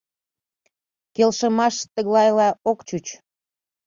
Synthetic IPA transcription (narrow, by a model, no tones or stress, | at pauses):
kelʃəmɑʃt̪əɣlɑjlɑokt͡ɕut͡ɕ